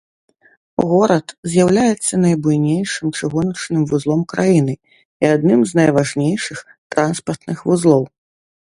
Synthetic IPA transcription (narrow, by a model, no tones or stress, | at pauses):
ɣɔɾɐt̪zʲjawlʲajɛt̪sːɐnɐjbujnʲejʂɨmt͡ʂɨɣɔnɐt͡ʂnɨmvuzlˠɔmkɾajinɨ | iad̪nɨmznɐjvaʐnʲejʂɨx | t̪ɾanspɐrt̪nɨxvuzlˠɔw